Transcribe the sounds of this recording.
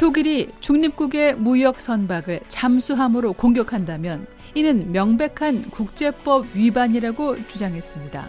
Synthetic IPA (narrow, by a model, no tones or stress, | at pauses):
toɡiɾit͡ɕuŋɲip̚k͈uɡe̞mujʌk̚s͈ʌnbaɡɯɭt͡ɕamsʰuɦamɯɾokoŋɡjʌkʰandamjʌn | inɯnmjʌŋbe̞kʰankuk̚t͡ɕ͈e̞p͈ʌb̚ɥibaɲiɾaɡot͡ɕud͡ʑaŋɦe̞s͈ɯmɲida̰